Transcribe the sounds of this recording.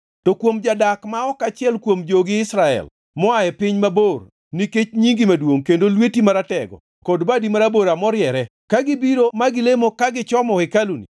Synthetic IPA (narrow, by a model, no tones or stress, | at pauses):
tokwomd͡ʒadakmaɔkat͡ʃɪɛlkwomd͡ʒoɡɪɪsɾaɛ̰l | mɔajɛpɪɲmabor | niket͡ʃɲiŋɡimadwoŋkendolwetimaɾatɛɡɔ̰ | kɔdbadimaɾaboɾamɔɾjɛɾɛ | kaɡɪbiɾomaɡɪlemokaɡɪt͡ʃɔmɔkɛkalunḭ